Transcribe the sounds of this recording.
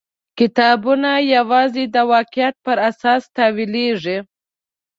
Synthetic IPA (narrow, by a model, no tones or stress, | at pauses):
kɪt̪ɑbunajawɑzed̪əwɑqɪjat̪̚pəɾasɑst̪ɑwileʐi